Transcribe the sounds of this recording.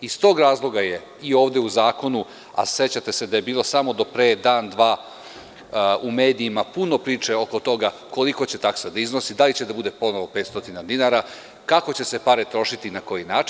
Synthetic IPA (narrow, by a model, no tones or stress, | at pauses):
ist̪o̞ːɡɾaːzlˠo̞ɡaje̞ | io̞ːʋd̪euzaːko̞nu | a̰se̞t͡ɕat̪e̞se̞d̪ajebiːlˠo̞samo̞d̪o̞pɾeːd̪aːnd̪ʋaː | ume̞ːd̪iːmapuno̞pɾiːt͡ʃe̞o̞ko̞t̪o̞ɡako̞liko̞t͡ɕe̞t̪aksad̪aizno̞sid̪alit͡ɕe̞d̪abud̪e̞po̞noʋo̞pe̞ːt̪st̪o̞t̪inad̪inaɾa | kako̞t͡ɕe̞se̞paɾet̪ɾo̞ʃit̪inako̞jinaːt͡ʃi